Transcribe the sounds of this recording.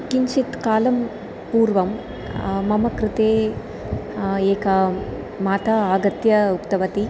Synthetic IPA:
kiɲʃit̪kaːlɐm | puːɾʋɐm | mɐmɐkɾɪt̪eː | eːkɐ | maːt̪ɐaːɡɐt̪jɐukt̪ɐʋɐt̪i

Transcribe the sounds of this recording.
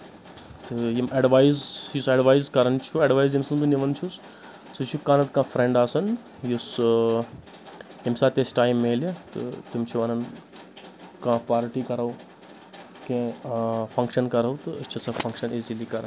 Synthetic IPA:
t̪ɨjimɐɖʋaːjzjusɐɖʋaːjzkɐɾɐnt͡ʃʰuɐɖʋaːjzimsɐnbɨniʋɐnt͡ʃʰus | sut͡ʃʰukãːnɐt̪kãːfɾẽɳɖaːsɐn | jus | jimsaːt̪esʈaːjmːelet̪ɨ̰t̪umt͡ʃʰuʋɐnɐn | kãːpaːɾʈikɐɾɐw | kẽfʰɐŋkʃɐnkɐɾɐwt̪ɨət͡ʃʰisɐfʰɐ̃ŋkʃɐnezilikɐɾɐn

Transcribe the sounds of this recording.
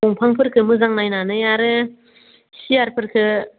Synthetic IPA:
ɔŋpʰaŋpʰɯɾkʰɯmɯzaŋnajnanɯjaɾɯ | sijaɾpʰɯɾkʰɯ

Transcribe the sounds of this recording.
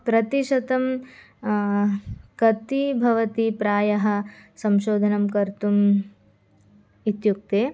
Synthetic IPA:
pɾɐt̪iʃɐt̪ɐm | kɐt̪ibʱɐʋɐt̪ipɾaːjɐɦɐ̆sɐmʃoːd̪ʱɐnɐmkɐɾt̪um | it̪juk̚t̪eː

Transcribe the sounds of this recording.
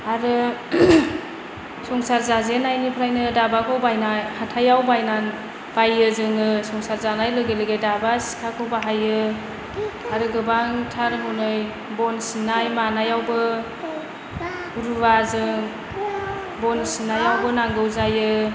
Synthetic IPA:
aɾɯ | sɔŋsaɾzazenajnipʰɾajnɯdabakʰɔwbajnajhatʰajawbajnan | b̥ajɯzɯŋɯsɔŋsaɾzanajlɯɡelɯɡejdabasi̥kʰakʰɯwbaɦajɯ | aɾɯɡɯbaŋtʰaɾɦɯwnɯj | bɔnsinːajmanajawbɯ | ɾuwazɯŋ | bɔnsinajawbɯnaŋɡɯwzajɯ

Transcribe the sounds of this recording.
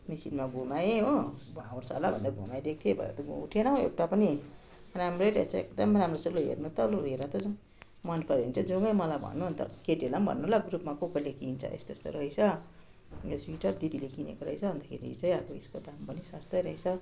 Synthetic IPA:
misinmaɡʱumajeɦobãwoɾsalabʱʌ̰nd̪aɡʱṵmajd̪ek̚t̪ʰjebʌ̰ḛɾ̰t̪ʌṵʈʰeɽaɦõḛwʈapʌni | ramrʌjɾʌet͡sʰʌḛkd̪ʌmramrosuloɦḛrnot̪ʌloɦernʌt̪ʌd͡z | mʌnpʌɾeint͡sʰʌd͡zuŋɡʌjmʌlajbʱʌ̰nːuɦnt̪ʌ̰keʈelʌmbʱʌ̰nːulaɡrupmakokʌlekint͡sʰʌ̰ʔḛst̪est̪o̰ɾʌɦit͡sʰʌ | eswiʈʌrd̪id̪ilekʰinḛkoɾʌjt͡sʰʌbʌnd̪akʰḛɾḭt͡saj̃ʌboeskod̪ampʌniswast̪ʌjɾʌɦet͡sʰʌ

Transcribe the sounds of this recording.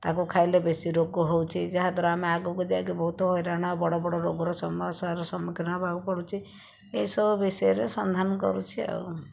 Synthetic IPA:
t̪akukʰajlebesiɾokuɦowt͡ʃʰid͡ʒaɦad̪ʱaɾɔameaɡukud͡ʒaɡebʱɔɦut̪ɔɦɔjɾaɽ̃abɔɽobɔɽɔɾoɡɾɔsɔmasɔaɾɔsɔmikʰɔnabʱaɡpɔɽut͡ʃʰi | eisɔbubesieɾesɔnd̪ʱanɔkɔ̰ɾut͡ʃʰia̰w

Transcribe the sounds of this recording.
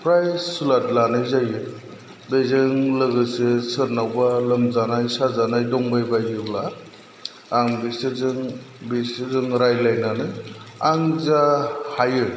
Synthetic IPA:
pʰɾajssulatlanɯjzajɯ | bezɯŋlɯɡɯsɯsɯɾnawbalɯmzanajsazanajdɔŋbajbajɯwla | aŋbisɯzɯŋ | bisɯzɯŋɾajlajnanɯaŋzahajɯ

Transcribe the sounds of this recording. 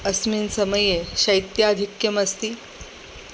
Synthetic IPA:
əsmiːnsəməjeɕɐjt̪jaːd̪ʱikjəmɐst̪iː

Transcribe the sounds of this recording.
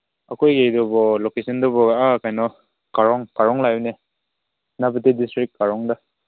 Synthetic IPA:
akʰɔjɡejdɔbɔlɔkesɔndɔbɔɡaakajnɔ | kaɾɔŋkaɾɔŋlajne | nabɯtidistɾik̚kaɾɔŋda

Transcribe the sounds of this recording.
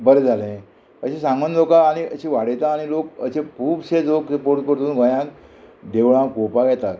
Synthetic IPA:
bəɾed͡zʱalẽ | əɕẽsãŋɡunlokaːɽ̃iəɕeʋaɽ̤ejt̪aːɽ̃ilokəsẽpuːbsed͡zloksəpoɾʈ̪̚kəɾt̪uːnɡʱə̃jãkd̪eʋɭãkopaɡɛt̪a

